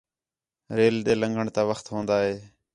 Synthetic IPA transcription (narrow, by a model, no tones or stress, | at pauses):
ɾeːlɗ̪eːləŋɡəɳt̪aːʋəxt̪ɦõːnd̪aːɦeː